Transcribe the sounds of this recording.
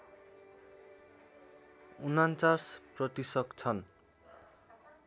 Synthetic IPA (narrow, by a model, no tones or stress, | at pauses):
unant͡sasprʌt̪isʌkt͡sʰʌn